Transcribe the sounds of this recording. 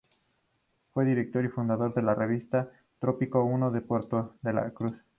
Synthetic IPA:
fwe̞ðiɾek̚t̪o̞ɾifund̪aðo̞ɾðe̞lare̞β̞ist̪a | t̪ɾopikounoðepweɾt̪oðela̰kɾus

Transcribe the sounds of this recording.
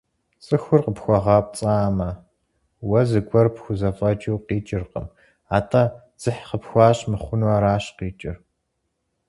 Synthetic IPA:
t͡sʼɨxʷʊrqəpxʷɔʁɑːp̚ʷʼt͡sʼaːmɐ | wɐzɨɡʷʰʼɔrpxʷʊzɐfʼɐt͡ʃʼiwqiːt͡ʃʼɪrqə̰m | aːtʰa | z̥ɨħqəpxʷɑːɕmɨχʷʊnwaːɾaːɕqiːt͡ʃʼɪr

